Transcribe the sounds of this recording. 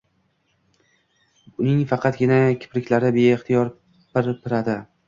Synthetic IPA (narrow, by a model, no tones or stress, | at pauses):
ʊnɪŋfɑqʰɑt̪̚ɡʲɪnakʲʰɪ̥pɾɪkʲlaɾɪbeːχt̪ʰijɒɾ | pɪɾpʰɪɾad̪ɪ